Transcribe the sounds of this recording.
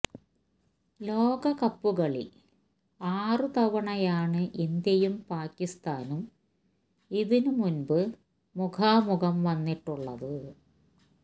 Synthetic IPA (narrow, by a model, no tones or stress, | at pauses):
lo̞ːɡɐkɐpːuɣɐɭḭl | aːrɨt̪ɐʋɐɳɐjaːɳɨʔind̪jɐjumpaːkːist̪aːnum | iðinumunbɨ | mukʰaːmuɣɐmʋɐnːiʈːuɭːɐðɨ